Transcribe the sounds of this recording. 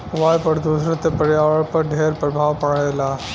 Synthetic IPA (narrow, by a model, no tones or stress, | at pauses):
ʋaːjpɐɽd̪usɾãt̪epɐɽjaːʋəɭpəɾɖʱeːɾpɾɐbʱaːʋpɐɽajla